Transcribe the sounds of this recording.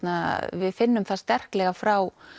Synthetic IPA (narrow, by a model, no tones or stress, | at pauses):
t̪navɪðfɪnːʏmθast̪ɛr̥klɛːɣafɾaw